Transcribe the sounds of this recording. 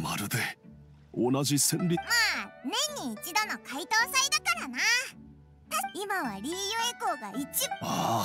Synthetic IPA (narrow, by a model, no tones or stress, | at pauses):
maɾɯ̟d̪e | onaʑisẽ̞nɾʲimanẽ̞ɲːiːt͡ɕid̪o̞no̞kait̪o̞ːsaid̪akaɾana | imaβaɾʲiːjoe̞ko̞ːɡait͡ɕia